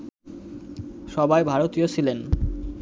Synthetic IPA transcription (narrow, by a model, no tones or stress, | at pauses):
ʃɔbajbʱaɾot̪iot͡ɕʰilen